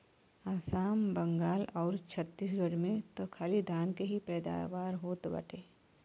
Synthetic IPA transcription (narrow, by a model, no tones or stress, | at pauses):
aːsaːmbɐ̃ŋɡaːlɔːɾt͡ʃʰət̪ːisɡəɽmẽt̪okʰaːlid̪ʱaːnkeɦipɛːd̪a̰ːʋaːɾɦoːt̪bɐ̰ʈʰeː